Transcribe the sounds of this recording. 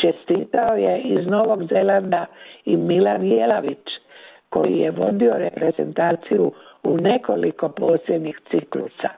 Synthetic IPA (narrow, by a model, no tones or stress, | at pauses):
t͡ʃe̞st̪iːt̪aoje̞izno̞ːʋo̞ɡze̞land̪aimilanjelaʋit͡ʃko̞̰jḭjeʋo̞d̪io̞ɾe̞pɾe̞ze̞̰nt̪aːt̪sijuune̞ko̞liko̞po̞ːsjed̪ɲixt̪siklṵsa